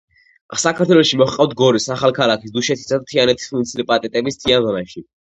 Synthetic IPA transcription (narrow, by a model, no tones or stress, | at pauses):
sakʰaɾt̪ʰwɛlɔʃimɔχqʼaft̪ʰɡɔɾisaχalˠkʰalˠakʰis̬d̪uʃɛt̪ʰi̥sad̪at̪ʰianɛt̪ʰi̥sunit̪sʰilɛpʼat̪ʼɛt̪ʼɛbist̪ʰianvɔnaʃi